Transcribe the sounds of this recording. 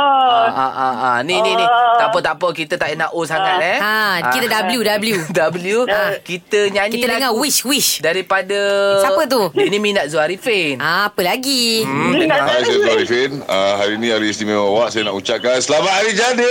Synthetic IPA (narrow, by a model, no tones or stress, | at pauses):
aaʔaanininit̪apət̪apəkit̪ət̪aʔinaʔosaŋat̪̚aakit̪ədabljudabljudabljukit̪əɲankiiədəŋawit͡ʃwit͡ʃdaɾipadəapət̪̬udəniminaʔ̪̚zuaɾifenapəlaɡi | asajazuaɾifenəɦaɾiːniaɾiːsnimemãwaʔsajanaʔut͡ʃap̚kansəlamat̪̚haɾid͡ʒadi